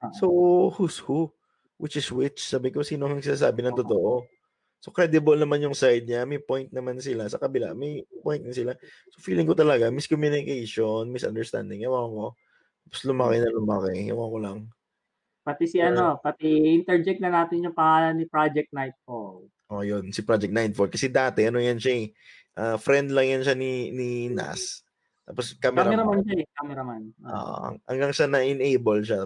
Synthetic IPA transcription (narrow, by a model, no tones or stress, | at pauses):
sohushu | wʔɪt͡ʃɪswɪt͡ʃsaːbɪkosiːnoʊŋsɪnaːsaːbɪnɐŋt̪ʊt̪oʔo | sokɾɛd̪ɪbɐlnɐmanjʊŋsajd̪̚ɲamɐjpo̞jnt̪̚nɐmansɪlasɐkɐbɪla̰mɐjpojnt̪̚nɐsɪla | sofiːlɪŋkot̪ɐlɐɡamiskomjuːnɪkejʃonmɪsʔɐ̰nd̪ɛɹst̪a̰nd̪ɪŋʔɐwaŋo | t̪aːposlʊmakɛnɐlʊmakɛɐ̰wakolɐŋ | pɐt̪isiʔɐno̞pɐt̪iɪnt̪ɛɹd͡ʒɛk̚nɐnaːt̪ɪnjʊŋpɐŋaːlɐnːipɹad͡ʒɛk̚t̪̚najt̪̚fol | ʔojonsɪpɾad͡ʒɛk̪̚najt̪̚fol̚kɐsɛd̪aːt̪ɛʔɐno̞jɐnʃaɛ | ʔafɾɛnd̪lɐŋjɐnʃaninina̰s | t̪a̰ːposkaːmɛɾaɾɐmanʃaɛkamɛɾɐmano̰ʔɐ̰ʔɐ̰ŋɡaŋsɐnɐʔɪnejbolʃa